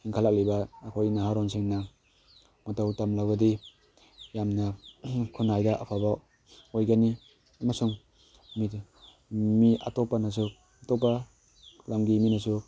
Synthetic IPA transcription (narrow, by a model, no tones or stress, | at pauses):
hiŋkʰalak̚libaːkʰojnaɦaɾɔnsiŋna | matowtamlawɡadi | jamnakʰunajdaʔapʰaba | ojɡani | masuŋ | mit | mia̰tɔpːanas̬u | atɔpːa | lamɡiminasu